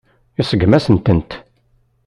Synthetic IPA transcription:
ɪsˤəɡmæsənt̪ənt̪

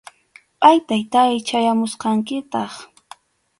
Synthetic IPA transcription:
pʼajt̪ajt̪ajt͡ʃajamʊsqɑŋkɪt̪ɑχ

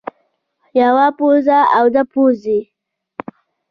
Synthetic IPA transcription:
jawapozaawd̪apoze

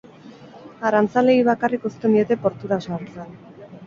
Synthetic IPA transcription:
aɾant͡sale̞iβ̞akariko̞st̪e̞nd̪ie̞t̪e̞po̞ɾt̪uɾasaɾt͡sen

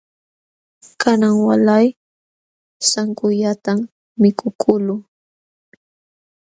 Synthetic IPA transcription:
kanaŋwalaj | saŋkʊʎat̪amː | ɪkʰʊkʰʊlʊ

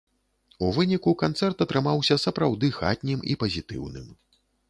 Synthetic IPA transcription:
uvɨnʲikukant̪sɛrt̪ɐt̪ɾɨmawsʲɐsɐpɾawd̪ɨxa̰t̪ʲnʲimḭpɐzʲit̪ɨ̰wnɨ̰m

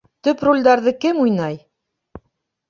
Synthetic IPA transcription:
t̪ɵprulʲd̪ɑɾðɤkɘmujnɑj

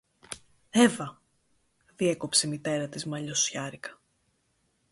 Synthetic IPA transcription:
e̞vɐ | ðie̞ko̞pse̞mit̪e̞ɾɐt̪izmɐʎo̞sçɐɾikɐ̥

